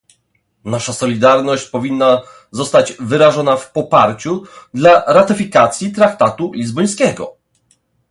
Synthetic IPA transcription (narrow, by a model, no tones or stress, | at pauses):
naʂasɔlʲid̪aɾnɔɕt͡ɕpɔvʲinːa | zɔst̪ad͡ʑvɘɾaʐɔnafpɔpaɾt͡ɕud̪laɾat̪ɘfʲikat̪sʲjit̪ɾakt̪at̪ulʲizbɔj̃skʲɛɡɔ̰